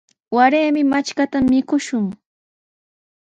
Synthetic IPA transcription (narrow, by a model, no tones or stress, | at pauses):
waɾeːmɪmat͡ʃkat̪amːɪkʊʃʊŋ